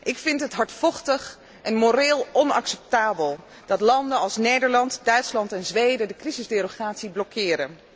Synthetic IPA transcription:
ʔɪkfɪntɦətɦɑɹtfɔχtəχ | ʔɛnmoɾɪːlˠɔnɑ̰ksɛp̚taːbəlˠ | d̥ɑtlɑndənɑlˠsnejdəɹlɑntdœɥtslɑntɛnzʋejdədəkrizɪzdɪroχaːtsiblɔkʰɪːɾən

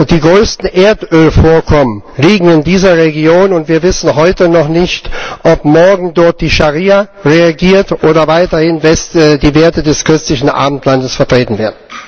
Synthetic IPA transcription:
d̥iːɡʁøːstn̩ʔeːɐtʔøːlfoːɐkʰɔmənliːɡŋ̩ɪndiːzɐʁeɡjoːnʊntv̥iːɐvɪsn̩ɦɔʏtənɔχnɪçtʔɔpmɔɐɡŋ̩dɔɐt̚d̥iːʃaʁiːaʁeaɡiːɐtʔoːɾɐvaɪtɐhɪnvɛsdiːveːɐtədɛskɪstlɪçn̩ʔa̰ːbm̩tʰlandəsfɛɐtʁ̥eːtn̩veːɐdn̩

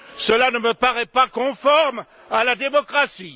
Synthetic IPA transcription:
səlanəməpaʁɛpakɔ̃fɔʁm | alad̪emɔkχasi

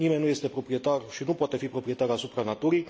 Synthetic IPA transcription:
nimennːuje̞st̪e̞pɾo̞pɾijet̪arʃinupoat̪e̞fipɾo̞pɾije̞t̪aɾasupɾanat̪uɾij

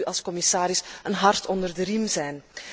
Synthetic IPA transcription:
yʔɑlˠskɔmɪsaːɾɪsənɦɑrtʰɔndərdəɾimzɛjn

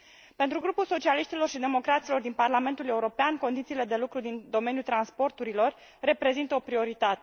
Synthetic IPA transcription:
pe̞nt̪ɾuɡɾupulso̞t͡ʃialiʃt̪ilo̞rʃid̪e̞mo̞kɾat̪silo̞rd̪inparlame̞nt̪ule̞uɾo̞peanko̞nd̪it̪siːle̞d̪e̞lukɾud̪ind̪o̞me̞njult̪ɾanspo̞rt̪uɾilo̞rː | e̞pɾe̞zint̪əopɾio̞ɾit̪at̪e

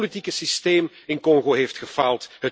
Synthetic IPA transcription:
litikəsisteːm | ɪnkɔŋχoɦeːftχəfalˠtɦət

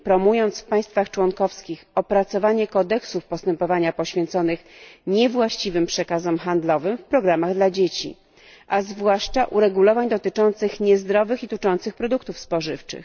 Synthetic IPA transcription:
pɾɔmujɔnt̪sfpaj̃st̪faxt͡ʂwɔŋkɔfskʲixɔpɾat̪sɔvaɲɛkɔd̪ɛksufpɔst̪ɛmpɔvaɲapɔɕfʲjɛnt̪sɔnɘxɲɛvwaɕt͡ɕivɘmpʂɛkazɛmxand̪lɔvɘmfpɾɔɡɾamaɣd̪lad͡ʑet͡ɕḭ | ʔazvwaʂt͡ʂaʔuɾɛɡulɔvaɲd̪ɔt̪ɘt͡ʂɔnt̪sɘxɲɛzd̪ɾɔvɘxit̪ut͡ʂɔnt̪sɘxpɾɔd̪uk̚t̪ufspɔʐɘft͡ʂɘ̰x

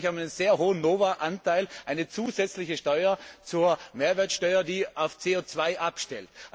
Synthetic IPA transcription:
çhaːbɪnənz̥eːɐɦoːənnoːvaʔantʰaɪlʔaɪnət͡suːzɛt͡slɪçəʃtɔʏɐt͡suːɐmeːɐvɛːɐtsʃtɔʏɐdiːʔaʊft͡seːot͡sv̥aɪʔapʃtɛlt

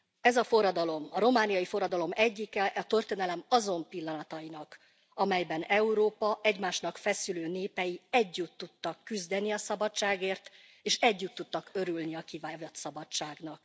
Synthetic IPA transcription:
ɛzɒfo̞rːɒd̪ɒlo̞mɒɾo̞maːnijɒjifo̞rːɒd̪ɒlo̞mɛɟːikɛʔɒt̪ø̞rt̪eːnɛlɛmɒzo̞mpilːɒnɒt̪ɒjinɒk | ɒmɛjbɛnɛuɾoːpɒʔɛɟmaːʃnɒkfɛsyløːneːpɛjiɛɟːut̪ːut̪ːɒkːyzd̪ɛniɒsɒbɒt͡ʃaːɡeːrt̪ | eːʃɛɟːut̪ːut̪ːɒkø̞ɾylniɒkivaːvɒt̪sɒbɒt͡ʃaːɡnɒk

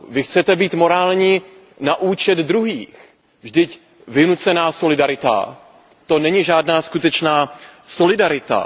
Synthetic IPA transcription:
vɪxt͡sɛt̪ɛbiːt̪mo̞ɾaːlɲiː | naʔuːt͡ʃɛd̪d̪ɾuɦiːx | vʒdɪc | vɪnut͡sɛnaːso̞lɪdaɾɪt̪a̰ | t̪o̞nɛɲɪʒaːdnaːskut̪ɛt͡ʃnaːso̞lɪdaɾɪt̪a̰

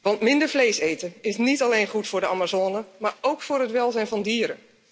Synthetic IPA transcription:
ʋɑntmɪndəɹvlejsejtənɪsnitalejnχutfʊːɹdəamazoːnəmaːɹowkfʊːɾɦətʋɛlˠzɛjnvɑndiːɾə̰

